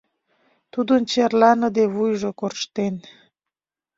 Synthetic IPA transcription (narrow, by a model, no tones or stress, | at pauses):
t̪ud̪unt͡ɕeɾlanəd̪ewujʒokoɾʃt̪en